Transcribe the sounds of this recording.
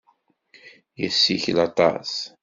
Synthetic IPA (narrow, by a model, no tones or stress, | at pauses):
jəsːiçlɑt̪ˤɑ̰s